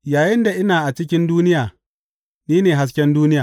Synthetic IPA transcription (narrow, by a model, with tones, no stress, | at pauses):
jaː˨jɪ˦nda˨ʔɪ˦naː˨ʔa˨t͡ʃɪ˦kʲɪ˦nduː˦nɪ˦jaː˨ | niː˦neː˨ɦa˦s̬kʲɛ˦nduː˦nɪ˦jaː˨